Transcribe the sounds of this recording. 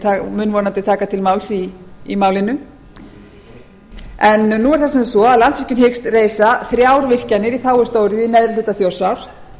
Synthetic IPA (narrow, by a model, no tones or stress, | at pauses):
t̪ʰamʏnvɔːnant̪ɪt̪ʰaːkat̪ʰɪlmaːwlsiimaːwlɪnʏ | ɛnːuɛɾ̥θasɛmsɔaðlansɛhcʏnhɪkst̪reːjsaθɾjaːwɾvɪl̥canɪɾiθaːwʏ̥st̪oːwɾɪðinɛðɾɪlʏt̪aθjowsawɾ̥